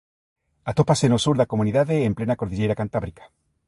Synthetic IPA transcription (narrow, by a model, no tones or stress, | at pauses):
at̪o̞pasenosuɾðako̞muniðaðeːmplenako̞ɾðiʎe̞jɾakant̪aβɾikḁ